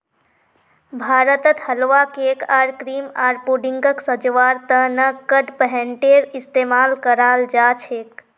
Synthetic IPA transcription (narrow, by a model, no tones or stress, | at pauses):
bʱaːɾət̪ət̪həlʋakeːkaːɾkɾiːmaːɾpuɖiŋɡəksəd͡ʒʋaːɾt̪ənəkəɖpəɦɛ̃ɳʈeɾist̪eːmaːlkəɾaːld͡ʒat͡ʃʰek